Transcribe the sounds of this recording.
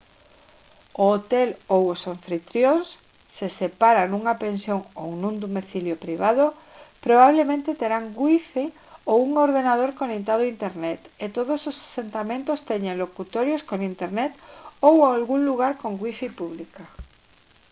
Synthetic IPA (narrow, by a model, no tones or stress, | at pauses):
ʊot̪ɛlowosoɱfɾit̪ɾjons | sesepaɾanuŋapẽnsjoŋo̰wnũnd̪omiθiljopɾiβ̞að̞o | pɾoβaβ̞lemẽnt̪et̪eɾaŋɡwifi | owuŋoɾðenað̞oɾkonekt̪aðoint̪eɾnɛt̪et̪oð̞ososḁsent̪amẽnt̪ost̪eɲeŋlokut̪oɾjoskoŋint̪eɾnɛt̪owalɣuŋluɣ̞aɾkoŋɡwifipuβlika